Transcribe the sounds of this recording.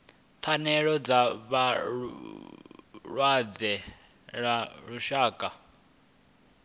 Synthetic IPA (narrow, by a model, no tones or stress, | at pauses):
t̪ʰanɛɺɔd͡zaβa | ɺwad͡zɛ | ɺaɺuʃaːkʼa